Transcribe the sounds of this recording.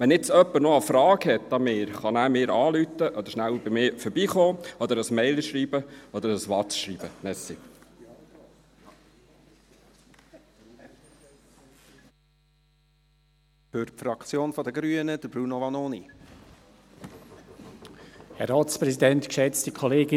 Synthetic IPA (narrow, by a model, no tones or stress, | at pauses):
ʋɛnɪt͡sœpːəɾnoəfɾɑːɡhɛt̪̚dɑmeːɾχɑnæːmɪːɾɑːlyt̪ːəʔɔd̪əɾʃnælbɪmɪːfɔɾbiːχoːɔd̪əɾəsmɛɪləʃɾiːbəɔd̪əɾəsʋɑtʃɾiːbənɛsḭ | fʏɾfɾɑkt͡sjoːnfɔd̪əɡɾyənəd̥̪əbɾunoʋɑnoːni | hɛɾɑːtspɾɛsidɛntkʃɛt͡stəkʰoleːɡɪ